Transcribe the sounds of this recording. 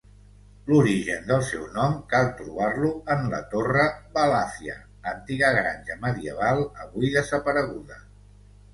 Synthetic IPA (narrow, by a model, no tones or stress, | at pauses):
luɾiʒənd̪əlˠsɛwnɔmkalˠt̪ɾuβ̞arluənlə̰t̪orəβəlasiə̰ | ənt̪iɣəɣɾa̰nʲʒəməðiə̰β̞alˠəβuiðəzəpəɾəɣ̞uðə